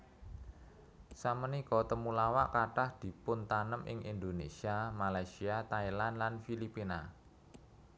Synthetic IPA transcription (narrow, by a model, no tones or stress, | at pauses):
samənikɔt̪əmulawaʔkaʈahd̪̥i̤pʊnt̪anəmʔɪ̰ŋʔind̪onḛsiamalajsiat̪ailanlanfilipina